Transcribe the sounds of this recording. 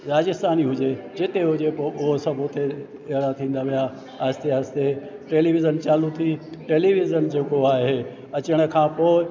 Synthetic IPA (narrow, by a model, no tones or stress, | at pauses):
ɾaːd͡ʑɪst̪aːniɦʊd͡ʑed͡ʑɪt̪eɦʊd͡ʑepoːʔʊɦosɐbʱot̪ʰe | eɾat̪ʰĩːnd̪aʋija | aːst̪iɦaːst̪eʈeːliʋɪzənt͡ɕaːlut̪ʰiʈeːliʋɪzənd͡ʑeːkoaːɦe | ɐt͡ɕəɽ̃ə̆kʰãːpoːɪ